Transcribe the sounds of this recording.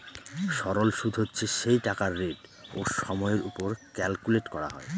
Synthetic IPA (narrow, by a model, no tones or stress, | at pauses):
ʃɔɾolʃud̪ʱɦotːɕʰeʃejʈakaɾːeɖoʃɔmɔeɾupoɾkɛlkuleʈkɔɾaɦɔ̰e